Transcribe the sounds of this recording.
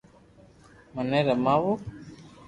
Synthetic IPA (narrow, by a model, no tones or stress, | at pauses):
manɛɾamaβo